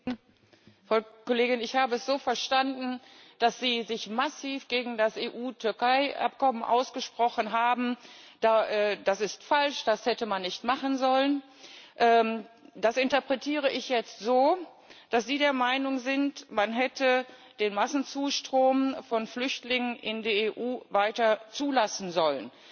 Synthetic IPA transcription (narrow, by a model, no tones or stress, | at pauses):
fakoleːɡɪnɪçhaːbəɛsz̥oːfɛɐʃtandn̩ | d̥asz̥iːzɪçmasiːfɡ̥eːɡŋ̩dasʔeːʔuːtʰʏɐkaɪʔa̰pkɔmənʔa̰ʊsɡ̥əʃpʁ̥ɔχənɦaːbm̩d̥aːʔɛːd̥asɪstfalʃd̥ashɛtəmanːɪçtmaχənzɔlən | ʔɛːd̥asɪntɐpʁ̥ɛtʰiːʁ̞əʔɪçjɛt͡stz̥oː | d̥asz̥iːdeːɐmaɪnʊŋzɪntmanɦɛtʰə | d̥eːnmasn̩t͡suːʃtʁ̥oːmfɔnflʏçtlɪŋənʔɪ̰ndeːɐeːʔuːvaɪtɐt͡suːlasn̩zɔlən